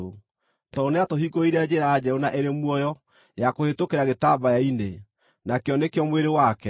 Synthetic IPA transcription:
o | tɔneatoɦiɡoiɾɛd͡ʑeɾaad͡ʑɛonaʔeɾemwɔjɔ | jakohetokeɾaɣetabajaine | nakeɔnekeɔmweɾewakɛ

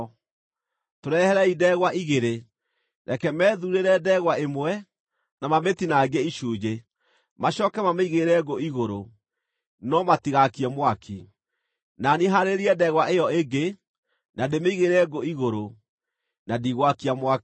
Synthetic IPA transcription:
toɾɛhɛɾɛidɛɣwaʔiɣeɾe | ɾɛkɛmɛːðuɾeɾɛdɛɣwaemwɛ | namametinaɡeiʃuːd͡ʒe | maɕɔkɛmameiɣeɾɛɡoiɣoɾo | nɔmatiɣakiamwakʰi | naniɦaɾeɾiɛdɛɣwaʔejɔeɡe | nademeiɣeɾɛɡoiɣoɾo | nadiɣwakiamwa

